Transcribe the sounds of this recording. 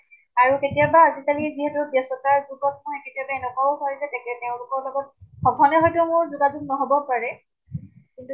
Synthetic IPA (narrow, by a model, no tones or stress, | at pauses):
aɹuketijabaːzikaliziɦɛtʊbjɛsɔtaɹzubɔtnɔɦɔketijabaɛnɛkɔsɔɹizɛtɛɛtɛʊ̃lʊkɔɹlɔɡɔt̚xɔbʱɔnɛɦɔjtʊmʊɹzuɡazuk̚nɔɦɔbɔpaɹɛ | kintu